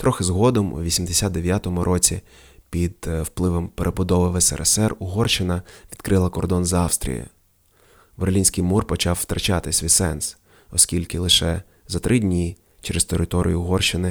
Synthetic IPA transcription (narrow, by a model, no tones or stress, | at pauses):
t̪ɾʔɔxɪzɦɔd̪ɔmṵʋʲisʲimd̪esʲad̪̚d̪eʋʲjat̪ɔmʊɾʔɔt͡sʲi | pʲid̪wplˠɪʋɔmpeɾʔebʊd̪ɔʋɪʋɛsɛ̰ɾɛ̰sɛrʊɦɔrt͡ʃɪnɐʋʲid̪̥kɾɪlˠɐkɔrd̪ɔnzɑwst̪ɾʲḭjɐ̰ | ʋerlʲinʲsʲkɪjmurpɔt͡ʃɑwwt̪ɾɐt͡ʃɑt̪ɪsʲʋʲisɛns | ɔskʲilʲkɪlˠɪʃɛ | zɐt̪ɾʔɪdʲnʲi | t͡ʃeɾest̪eɾɪt̪ɔɾʲʔḭjʊɦɔrʃɪnɪ